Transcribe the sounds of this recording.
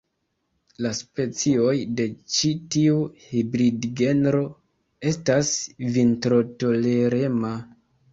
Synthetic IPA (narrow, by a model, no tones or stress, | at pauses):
laspe̞t͡sio̞jde̞t͡ʃitiuhibɾidɡe̞nɾo̞ | e̞stasvintɾo̞to̞le̞ɾe̞ma